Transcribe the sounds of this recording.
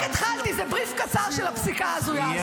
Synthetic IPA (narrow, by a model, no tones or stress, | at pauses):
ket̪χalkizɛbʁifkat͡saʁʃelhapsikaazuja